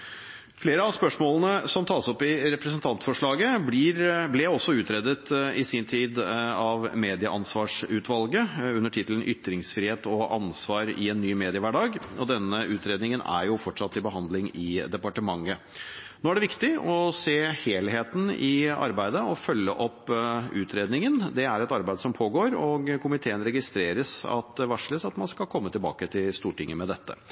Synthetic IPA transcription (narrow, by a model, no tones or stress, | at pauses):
fleːɾəɑspœʂmoːlənəsɔmt̪ʰɑːsɔpːɪɾɛpɾɛsənt̪ʰɑnt̪fɔʂɭɑːɡəbiːɾblɛɔsːɔʉːt̪ʰɾeːd̪ət̪ɪsiːnt̪ʰiːd̪ɑʋmeːd̪ɪəʔɑnsʋɑːʂʉːt̪ʰʋɑlɡəʉnːəʈʰɪt̪ələnʔʏt̪ɾɪŋsfɾiːheːt̪ɔʔɑ̰nsʋɑːɾɪ̰ɛnːyːmeːd̪ɪəʋæːɖɑːɡɔd̪ɛnːəʉːt̪ɾeːd̪nɪŋənæ̰ɾjʊfɔʈʂɑt̪ːɪbəɦɑnd̪lɪŋɪd̪ɛpɑʈəmɑŋːə | noːæɖɛʋɪkt̪ɪɔseːheːlɦeːt̪n̩ɪɑ̰ɾbæɪd̪əɔfœlːəʔɔpːʉːt̪ʰɾeːd̪nɪŋənd̪ɛæɾɛt̪ɑɾbæɪd̪əsɔmpʰoːɡoːɾɔɡkʰʊmɪt̪ʰeːənɾɛɡɪst̪ɾeːɾəsɑ̰t̪ʋɑʂləsɑt̪mɑnskɑlkʰɔmːət̪ɪlbɑ̰ːkət̪ʰɪlst̪uːʈɪŋːəmɛd̪ɛt̪ʰːə̰